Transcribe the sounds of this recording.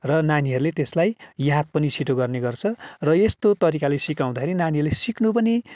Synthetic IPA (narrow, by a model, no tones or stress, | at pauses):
rʌnaniɦʌɾulet̪eslajjat̪̚pʌnisiʈoɡʌrneɡʌrt͡sʰʌrʌest̪ot̪ʌɾikalesikaw̃d̪akʰeɾinaniɦʌɾulesiknupʌni